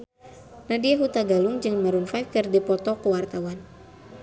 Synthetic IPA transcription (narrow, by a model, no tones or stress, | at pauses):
nadiaɦut̪aɡaluŋd͡ʒɨŋmaɾunfajfkɨrdipɔt̪ɔkuwart̪awan